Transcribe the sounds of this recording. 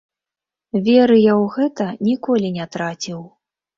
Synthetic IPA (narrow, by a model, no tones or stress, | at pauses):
vʲɛɾɨjawɣɛt̪ɐnʲikɔlʲinʲɛt̪ɾat͡sʲiw